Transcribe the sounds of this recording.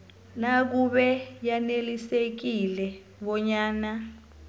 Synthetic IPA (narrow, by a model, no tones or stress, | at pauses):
nak̬uɓɛjanelisek̬ilɛ | ɓɔɲaːna